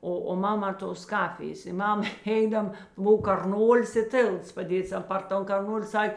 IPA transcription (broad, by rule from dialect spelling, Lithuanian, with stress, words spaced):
ˈoː oː ˈmɑːˌmɑː toːs ˈkɑːfʲɪjeːs ɪ ˈmɐm ˈɛɪdɐm ˈbʊw kɐrˈnoːlʲɪs ɪ ˈtʲeːlˠts pɐˈdʲeːts ˈɐn pɐr ˈtoːn kɐrˈnoːlʲɪ ˈsɐkʲ